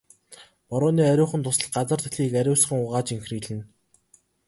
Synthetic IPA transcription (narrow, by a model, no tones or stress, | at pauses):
pɔɾʊːniːæɾʲʊːχə̆nt̪ʰʊsə̆ɮɢat͡sə̆rt̪ʰɵ̥̆ɮiːkæɾʲʊːsχə̆ŋʊʁaːt͡ɕiŋxriːɮɘ̆n